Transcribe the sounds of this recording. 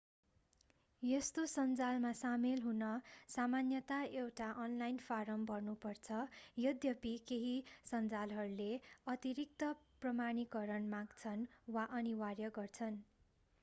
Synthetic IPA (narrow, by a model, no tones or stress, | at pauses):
jest̪osʌnd͡zalmasamelɦunʌsamanjʌt̪aewʈaʔʌnlajnpʰaɾʌmbʱʌrnupʌrt͡sʰʌjʌd̪jʌpikeɦisʌnd͡zalɦʌɾuleʌt̪iɾik̚t̪ʌprʌmaɽ̃ikʌɾʌnmaɡt͡sʰʌnwaʔʌniwarjʌɡʌrt͡sʰʌn